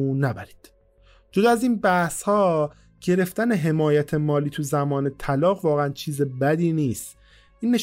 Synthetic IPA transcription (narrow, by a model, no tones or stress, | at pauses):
næbæɾiːd̪̥ | d͡ʒod̪æziːnbæhshɒː | ɟ̥e̞ɾe̞ft̪æne̞ɦe̞mɒːjæt̪ʰe̞mɒːliːt̪ʰuzæmɒːne̞t̪ʰælɒːɣvɒːɣeænt͡ʃʰiːzebæd̪iːniːst̪ | ʔiːnːe̞